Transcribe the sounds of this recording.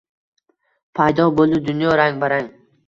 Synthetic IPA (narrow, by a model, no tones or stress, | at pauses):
pʰajd̪ɒbolˠd̪ɪd̪ʊnjɒɾaŋbaɾaŋ